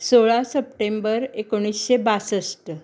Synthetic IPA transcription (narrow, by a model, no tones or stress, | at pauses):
soɭasəpʈembəɾekoɽ̃isɕebasəsʈə